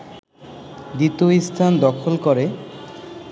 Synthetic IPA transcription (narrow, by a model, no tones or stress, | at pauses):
d̪it̪oist̪ʰand̪ɔkʰolkɔɾe